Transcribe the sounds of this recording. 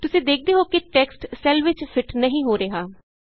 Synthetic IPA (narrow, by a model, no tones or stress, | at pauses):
t̪ʊsĩːd̪eːk̚ʰd̪eːɦoːkɪʈɛːksʈsɛːlʋɪt͡ʃfʰɪʈnəɦĩːɦoːɾeːɦaː